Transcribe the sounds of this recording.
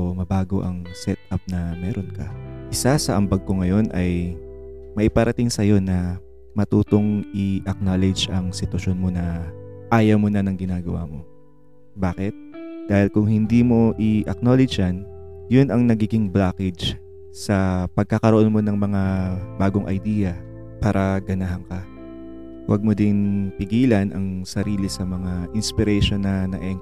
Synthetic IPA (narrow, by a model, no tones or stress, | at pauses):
mɐbaːɡo̞ʔɐŋsɛt̪̚ɐp̚nɐmɛːɾo̞nkɐʔɪsasɐʔɐmbɐɡ̚ko̞ŋɐjo̞nʔɐj | mɐʔɪpɐɾʔɐt̪ɪŋsɐjo̞nɐ | mɐt̪uːt̪o̞ŋʔɪʔɐk̚nolɛd͡ʒʔɐŋsɪt̪wɐʃo̞nmo̞nɐʔaːjɐmonɐnɐŋɡɪnaːɡɐwa̰mo̞ | baːkɛt̪̚d̪̥aːhɪlkʊŋhɪnd̪iːmo̞ʔɪʔɐk̚nolɛd͡ʒɐnjʊnɐŋnɐɡiːɡɪŋblaːkɛd͡ʒ | sɐpɐɡ̚kɐkɐɾoʔonmo̞nɐŋmɐŋabaːɡo̞ŋʔɐ̰jd̪iːjɐ | paːɾʔɐɡɐnaɦɐŋkɐ | wʔɐ̰ɡ̚mod̪ɪnpɪɡiːlɐnʔɐŋsɐɾiːlɪsɐmɐŋaʔɪnspɪɾɛʃo̞nːɐnɐʔɛŋ